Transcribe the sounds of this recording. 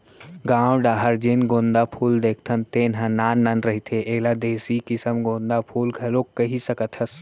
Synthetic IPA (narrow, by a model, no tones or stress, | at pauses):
ɡãːwɖaːɦəɾd͡ʒinɡõːnd̪apʰuːld̪eːkʰt̪ʰənt̪eːnɦãnaːnːanɾɐɦit̪ʰeʔeːlad̪eːsikɪsəmɡõːnd̪apʰuːlɡʰʱɐlokːɐɦisɐkət̪ʰɐs